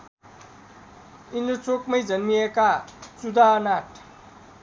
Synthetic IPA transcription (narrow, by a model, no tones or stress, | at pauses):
inot͡sokmʌjd͡zʌnmiekat͡sud̪ʱaʌnaʈ